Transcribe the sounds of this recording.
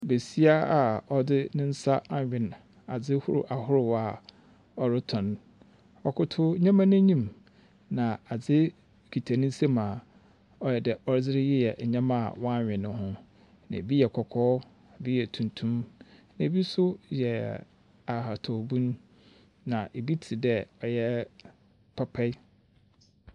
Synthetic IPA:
be˨si˦a˦a˨ɔ˨dɪ˦nɪ̃˦n̩˦sa˦a˨ɲᶣɪ̃˨n | a˨d͡zɪ˦hʊ˦ɾʊ̰˨ʔa˨hʊ˦ɾʊ˨wa˨ | ɔ˨ɾɪ˦tʰɔ̃˨n | ɔ˨kʰʊ˦tʰʊ˦ɲã˦mã˦nʊ̃˦ɲĩ˦˨m | nã˨a˨d͡zɪ˦ | kʰi˨tʰa˨nɪ̃˦n̩˦se˦mã˨ | ɔ˦jɛ˨dɛ˨ɔ˦ɾd͡zɪ˦ɾɪ˦jɛ˦jɛ˨ʔɲã˦mã˦˨wɔ̃˦a˦˨ɲᶣɪ̃˨nʊ̃˦hʊ̃˦ | nã̰˨bi˦jɛ˨kʰɔ˨kʰɔː˦˨ | bi˦jɛ˨tʰũ˨ntʰũ˦mnã˨e˨bi˦sʊ˦jɛ˨ | a˨ha˨tʰɔ˨bũ˦nː | ã˨ʔe˨bi˦tʰi˨dɛ˦˨ɔ˨jɛ˦ | pʰa˦pʰɛ˦

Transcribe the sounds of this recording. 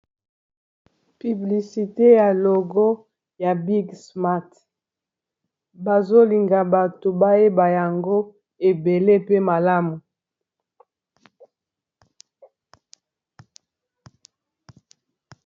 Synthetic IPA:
py˨bli˨si˨te˦ja˨lo˨ɡo˦ | ja˨bi˦ɡsma˦t | ba˨zo˦li˨ŋɡa˨ba˨to˨ba˦je˦ba˨ja˨ŋɡo˦ | e˨be˨le˦pe˦ma˨la˦mu˨

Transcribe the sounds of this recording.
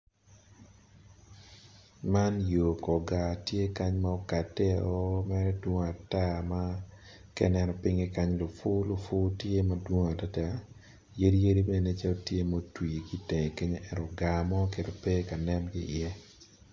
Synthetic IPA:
ma˦njo˨kɔ˨ɡa˨tje˦ka˦ɲma˦ɔ˦ka˨tːɛ˦ɔ˦mɛ˦ɾɛ˦dwo˦ŋa˨ta˦ma˦ | kɛ̰˦nɛ˨ɾɔ˨pi˦ŋe˦ka˦ɲlo˨fʊ˦lo˨fʊ˦tje˦mɐ˦dwo˦ŋa˨ta˦ta˦ | je˦ɾi˦je˦ɾi˦be˦ne˦t͡ʃa˦lo˦tje˦mo˦twi˨ki˦te˨ŋ˨ke˦ɲo˦ʔɛ˨ɾɔ˨ɡa˨mɔ˦ke˨ɾo˨pe˦ka˨nɛ˦mɡɪ˦ʔɪ˨ɛ˦

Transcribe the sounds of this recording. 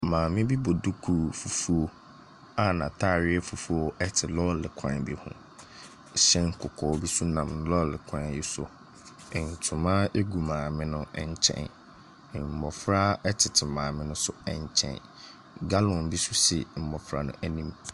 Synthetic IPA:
mãː˨mɪ̃˦bi˦bo˨du˦kʰu˨fu˨fu˦o˦ | a˨nã˨tʰa˦˨ɾɪ˦ɛ˦fu˨fu˦o˦ʔɛ˦tʰɪ˨lɔ˦lɪ˨kʷʰã̰˨bi˨hʊ̰̃˦ | ɕɛ˦ŋ̩˦˨kʰʊ˨kʰɔː˨˦bi˦su˦nã˨mn˦lɔ˦lɪ˨kʷʰã˨n˨jɪ˦sʊ̰˦˨ | n̩˨tʰʊ̃˨mã˦e˦ɡu˨mãː˨mɪ̃˦nʊ̃˦ɛ˨ɲ˨t͡ɕʰɛ̰̃˨n˨ | m̩˨mɔ˨fɾa˦ɛ˦tʰɪ˨tʰɪ˨mãː˨mɪ̃˦nʊ̃˦sʊ˦ɛ̰˨ɲ˨t͡ɕʰɛ̰̃˨n | ɡa˦lɔ̃˨nbi˦su˦sɛ̰˨m̩˨mɔ˨fɾa̰˨nʊ̰̃˦ʔɛ˦nĩ˦m

